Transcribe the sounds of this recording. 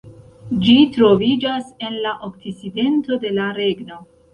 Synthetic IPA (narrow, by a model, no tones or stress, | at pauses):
d͡ʒitɾo̞vid͡ʒase̞nlaʔokt͡siside̞nto̞de̞laɾe̞ɡno̞